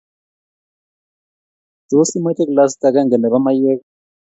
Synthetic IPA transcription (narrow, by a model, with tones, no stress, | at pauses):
do˨˦si˦ma˦te˦kla˦s̬ta˨ka˦ŋɡɛ˨nɛ˨ba˦ma˦je˦k